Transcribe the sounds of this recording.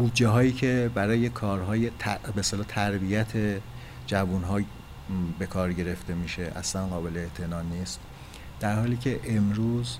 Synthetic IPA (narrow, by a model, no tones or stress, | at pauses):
bud͡ʒeɦɒːiːcʰe̞bæɾɒːje̞kʰɒːɾɦɒːjet̪ʰbest̪elɒːt̪ʰæɾbijæt̪ʰe̞ | d͡ʒævunɦɒː | be̞kʰɒːɾɟe̞ɾe̞ft̪e̞miʃe̞ʔæ̰slænɢɒːbe̞leeʔt̪ʰe̞nɒːniːst̪ | d̪̥æɾhɒːliːcʰe̞ʔemɾuːz